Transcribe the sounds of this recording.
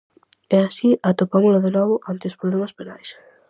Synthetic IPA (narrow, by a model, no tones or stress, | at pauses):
easiʔat̪opamʊlʊðenɔβʊʔant̪ɪospɾoβlemaspenajs